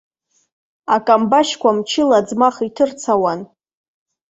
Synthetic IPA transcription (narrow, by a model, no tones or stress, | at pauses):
akʼambaʃkʷamt͡ʃʰɪlad͡zmaχitʰɨrt͡sʰawan